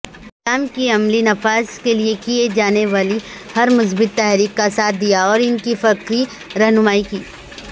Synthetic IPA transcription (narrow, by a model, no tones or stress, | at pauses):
ɪlaːmkiɐmlinɐfaːzkeliekied͡ʒaːneʋaːlihɐɾmʊs̬bɪt̪ːɛːɦɾiːkːasaːt̪̚ʰd̪ijaɔːɾɪnkifɐkɾi | ɾɐɦnʊmaːikiː